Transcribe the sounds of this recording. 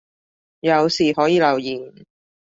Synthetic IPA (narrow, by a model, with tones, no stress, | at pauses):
jɐ˨˧wsiː˨hɔː˨˥jiː˨˧lɐ˨˩wjiː˨˩n